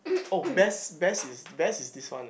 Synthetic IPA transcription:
obɛsbɛsisbɛsisdiswã̰n

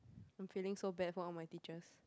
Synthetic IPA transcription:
ãjmfilɪ̃ŋsobɛt̚fɔɔmajtit͡ʃəs

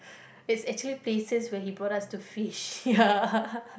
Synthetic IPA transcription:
ɪtsɛk̚t͡ʃuəlipleːsəswɛɦibɔɾastufiʃja

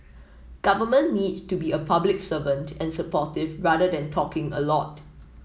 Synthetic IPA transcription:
ɡ̥avəmə̃nːidstubiəpʰablɪksəvə̃ntʰɛ̃nsəpɔtɪvɹadədɛ̃ntʰɔkɪ̃ŋə̰lɔt

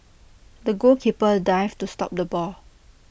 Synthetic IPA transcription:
dəɡokʰipədaɪvtustɔ̰p̚dəbɔl

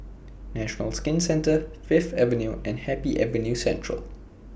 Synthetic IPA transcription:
nɛʃənəlskɪ̃nsɛ̃ntəfɪftɛvə̃njuʔɛ̃nhɛpiʔɛvənjusɛ̰̃ntɹə̰l

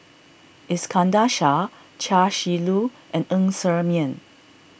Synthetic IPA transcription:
ʔiskʰãndaʃa | t͡ʃaʃilu | ʔɛ̃nə̃ŋsəmiə̃n

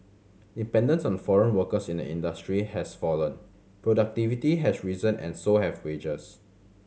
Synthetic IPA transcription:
dipɛ̃ndə̃nsɔ̃nfɔɹə̃nwəkəsĩndə̰ḭ̃ndəstɹihɛsfɔlə̃n | pɹodak̚tivitiɦɛsɹizə̃nɛ̰̃nsohɛvwed͡ʒəs

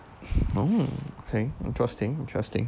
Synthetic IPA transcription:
ookʰeɪɪ̰̃ntʰɹ̥ɛstɪ̃ŋɪ̃ntʰɹ̥ɛstɪ̰̃ŋ

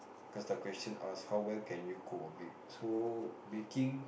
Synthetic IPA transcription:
kɔsdəkwɛstə̃nashawwɛlkɛ̃njukʰopəbit̚sobikĩŋ

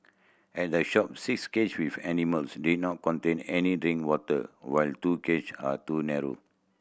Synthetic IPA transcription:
ʔɛt̚dəʃɔp̚siksket͡ʃwivɛniməlsdid̚nɔt̚kɔ̃ntẽnɛnidɹĩŋwɔtə̰waɪltukea̰tunɛɹo̰

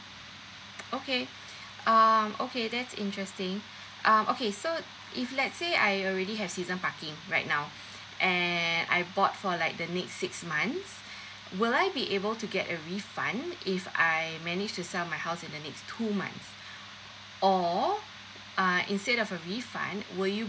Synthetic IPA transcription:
oke | ʌmʔo̰kʰedɛtsɪ̰̃ntɹɛstɪ̃ŋ | ʔʌ̃mʔokeso | ʔiflɛtseajɔlɹɛdiɦɛv̥sizə̃npakɪ̃ŋɹaɪt̚naʊ | ʔɛna̰jbɔtfɔlaɪk̚dənɛksːɪksmãnθs | wɪlajbiʔebəltuɡɛtəɹifã̰nɪfa̰ɪmɛnɪd͡ʒtusɛlmaɪhaʊsɪ̃ndənɛkstʰumã̰nθs | ʔɔ | ʌḭ̃nstɛɾɔvəɹifã̰nwɪlju

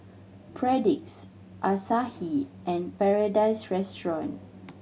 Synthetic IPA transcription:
pʰɹɛdik̚s | ʔasahiʔɛ̃npɛɹadajsɹɛstɹɔ̃n

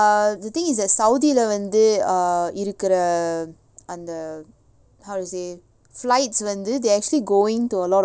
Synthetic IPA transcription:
d̪ɐt̪ɪ̃ŋɪsd̪ɛʈsɐʊd̪ilɐʋɐnd̪ɯ | ɪɾɯkːɪɾɐ | ɐnd̪ɐ | hɐʊʈuseː | flaɪʈsʋɐnd̪ɯd̪eːɾæk̚t͡ʃuəliɡoːɪ̃ŋʈuɐlɔːʈ

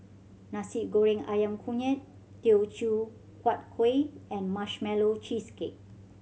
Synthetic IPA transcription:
nasip̚ɡoɹĩŋajãmkʰuɲət̚ː | eot͡ʃu | kwat̚kʰweɛ̃nmaʃmɛlot͡ʃiskek̚

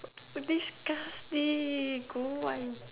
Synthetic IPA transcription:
d̪iskasd̪ikuaj

